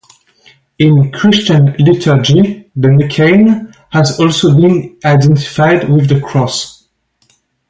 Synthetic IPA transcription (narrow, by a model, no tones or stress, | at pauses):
ɪ̃nkʰɹ̥ɪst͡ʃə̃nlɪtʰə˞d͡ʒiðəmɨkʰẽɪn | hæzɔlˠsobĩnaɪdɛ̃ntɪ̥faɪdwɪðəkʰɹ̥ɔs